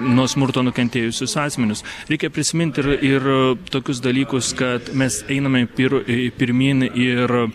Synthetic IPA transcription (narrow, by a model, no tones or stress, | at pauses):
nuɔsmʊɾt̪oːnʊkʲɛnʲt̪ʲeːjʊsʲʊsɑːsʲmʲɛnʲʊsɾʲɛɪkʲɛpʲɾʲɪsʲɪmʲɪnʲt̪ʲɪrɪrt̪oːkʲʊs̬d̪ɐlʲiːkʊskɐt̪mʲɛsɛɪnɐmʲɛpʲɪɾpʲɪɾʲmʲiːnɪr